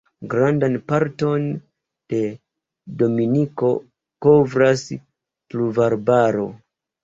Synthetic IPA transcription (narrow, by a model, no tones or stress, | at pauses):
ɡɾandanpaɾto̞n | d̥e̞ | do̞miniko̞ | ko̞vɾas | pluvaɾbaɾo̞̰